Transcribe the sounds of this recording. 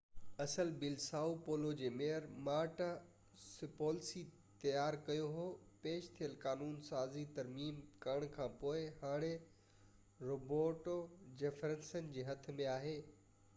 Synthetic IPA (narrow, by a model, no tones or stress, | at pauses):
ɐsəlbɪlsaːupoːlod͡ʑeːmeːəɾmaːɾʈa | sɪpoːlsi | t̪ɐjaːɾkɐjoɦoːpeːʃt̪ʰijəlkaːnuːnsaːzit̪ɐɾmiːmkɐɾəɽ̃kʰãːpoːɪhaːɽ̃e | ɾoːboːʈod͡ʑefɾə̃nsən̆d͡ʑeːɦɐt̪̆ʰmẽaːɦeː